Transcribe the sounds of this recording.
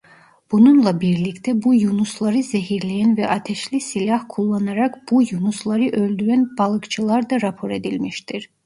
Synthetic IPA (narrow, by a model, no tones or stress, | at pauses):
b̥ununlˠabiɾlʲict̪ʰɛbujunuslˠaɾɯzeɦiɾlʲejænvɛʔat̪ʰɛʃlʲisilʲahkʰulˠːanaɾakb̥ujunuslˠaɾɯʔø̞lʲd̪yɾænbalˠɯkt͡ʃʰɯlˠaɾd̪aɾapʰo̞ɾe̞d̪ilʲmiʃt̪ʰiɾ̥